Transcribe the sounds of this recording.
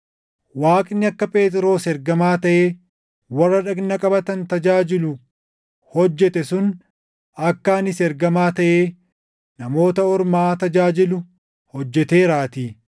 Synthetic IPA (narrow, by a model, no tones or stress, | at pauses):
waːkʼnːɪɐkːɐpʼe̞ːt̪ʼɪɾo̞ːsɛɾɡɐmaːt̪ɐʔeː | wɐrːɐᶑɐɡnɐkʼɐbɐt̪ɐnt̪ɐd͡ʒaːd͡ʒɪlʊ | hɔd͡ʒːɛt̪ɛsʊn | ɐkːaːnɪsɛɾɡɐmaːt̪ɐʔeː | nɐmo̞ːt̪ɐɔɾmaːt̪ɐd͡ʒaːd͡ʒɪlʊ | hɔd͡ʒːɛt̪eːɾaːt̪iː